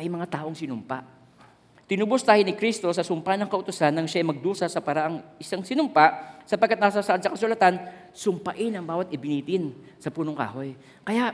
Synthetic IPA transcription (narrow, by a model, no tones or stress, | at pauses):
ʔɐjmɐŋat̪aːʔoŋsɪnʊmpa̰ʔ | t̪ɪnubʊst̪aːhɪnɪkɾist̪o̞sɐsʊmpanɐŋkɐʔʊt̪ʊsanːɐŋʃaʔɐjmɐɡ̚d̪uːsɐsɐpaːɾaʔɐŋʔɪsaŋsɪnʊmpaʔsɐpɐɡkːat̪nasasɐʔad̪sɐkɐsʊlɐt̪an | sʊmpɐʔɪnɐŋbaːwɐt̪ʔɪbɪniːt̪ɪn | sɐpuːnoŋka̰ːɦo̞j | kɐjaʔ